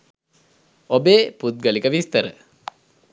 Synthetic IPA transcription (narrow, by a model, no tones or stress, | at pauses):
obeːput̪̚ɡəlikəʋist̪əɾə̰